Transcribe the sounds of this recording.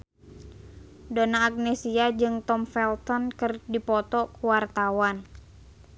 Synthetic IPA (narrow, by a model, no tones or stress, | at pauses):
donaːk̚nesiad͡ʒɨŋt̪ɔmfɛlt̪ɔnkɨrdipɔt̪ɔkuwart̪awan